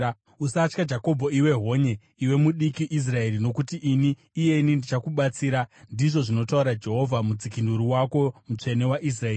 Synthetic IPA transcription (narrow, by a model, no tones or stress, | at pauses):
usat͡ʃkad͡ʒako̞bʱo̞iwe̞ɦo̞ɲe̞ | iwe̞muɗikiʔis̬rae̞ɾino̞kutiʔiniː | je̞inindit͡ʃakuɓat͡siːɾandiʐo̞ʐino̞tauɾad͡ʒe̞ɦo̞vʱamud͡zikinduɾiwako̞mut͡ʂe̞ne̞waʔis̬raeːi